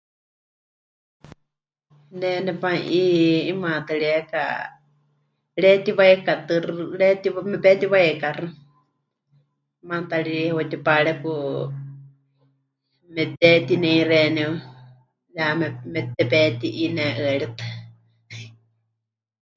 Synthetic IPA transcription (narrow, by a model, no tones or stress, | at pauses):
nɛnɛpaʔiimãt̪ɨɺɛɛka̰ | ɺɛt̪iβajkat̪ɨrɺɛt̪imɛpɛt̪iβajkarɨ | mãt̪aɺihwat̪ipaɺɛku | mɛt̪ɛt̪inɛiɾɛnɛw | jamɛmɛt̪ɛpɛt̪iʔinɛʔɨɛɺit̪ɨ̥